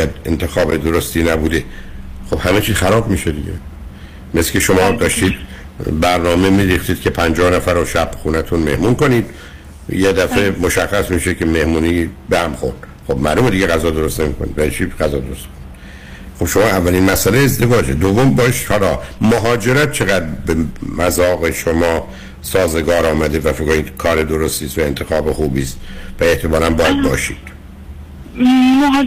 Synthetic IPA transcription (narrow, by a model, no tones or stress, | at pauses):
æd̪ḛnt̪ʰexɒːbed̪oɾost̪iːnæbuːd̪e | xobhæmet͡ʃʰiːzxæɾɒːbmiːʃed̪iɟḛ | meslkʰeʃomɒːd̪ɒːʃt̪iːd̪ | bæɾnɒːmemiːɾixt̪iːd̪̚cʰe̞pʰænd͡ʒɒːhnæfæɾoʃæb̥xuːnæt̪ʰunme̞̰hmunko̞niːd̪̥ | jed̪æfe̞moʃæxːæsmiːʃeke̞me̞hmuːniːbehæmxo̰ɾd̪ | xobmæ̰lumed̪iɟeɣæzɒːd̪o̞ɾost̪ne̞miːkonḭd̪væit͡ʃʰiɡæzɒːd̪oɾost̪mi̥koi | xob̥ʃomɒːævːælinmæsæleezd̪e̞vɒːd͡ʒḛd̪ovːombɒːʃihɒːlɒːmoɦɒːd͡ʒe̞ɾæt̪̚t͡ʃʰeɣæd̪ɾbemæzɒːɣeʃomɒː | sɒːzeɡɒːɾɒːmæd̪evæfikoiːd̪̥kʰɒːɾed̪oɾost̪iːst̪væent̪ʰexɒːbexuːbiːst̪væe̞ht̪ʰemɒːlænbɒːjæd̪̚bɒ̰ːʃiːd̪̥ | m